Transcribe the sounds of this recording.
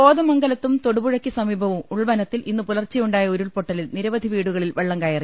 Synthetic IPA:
oːd̪ɐmɐŋɡɐlɐt̪ːumt̪o̞ɽubuɻɐkʲːisɐmiːbʱɐʋumuɭʋɐnɐt̪ːilinːupulɐrt͡ɕːɐjuɳɖaːjɐoɾuɭpoʈːɐlilniɾɐʋɐd̪ʱiʋiːɽuɣɐɭilʋeɭːɐŋɡaːjɐri

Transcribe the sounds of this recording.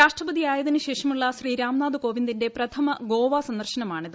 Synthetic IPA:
ɾaːʂʈrɐbɐðijaːjɐðinɨɕe̞ːʂɐmuɭːɐɕriːɾaːmnaːd̪uko̞ːʋind̪inde̞prɐt̪ʰɐmɐɡo̞ːʋaːsɐnd̪ɐrɕɐnɐmaːɳiðɨ

